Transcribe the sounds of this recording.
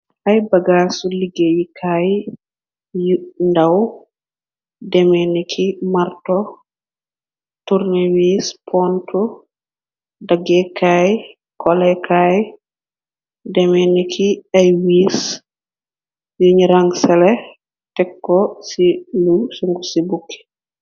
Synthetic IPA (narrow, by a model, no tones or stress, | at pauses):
ʔajbaɡaːsuliɡejikʰaj | jndaw | dɛmɛnikʰimaɾtɔ | tuɾnɛwiːspʰɔntʰu | daɡɛkʰaj | kʰɔlɛkʰaj | dɛmɛnikʰiajwiːs | juɲiɾaŋɡsɛlɛ | tɛkːɔsilusuŋɡusibukʰːi̥